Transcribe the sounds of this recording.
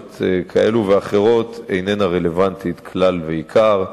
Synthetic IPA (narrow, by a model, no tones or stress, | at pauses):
t̪ekʰae̞luveaχe̞ʁo̞tejnenaʁe̞le̞vant̪it̪kʰlalveikʰaʁ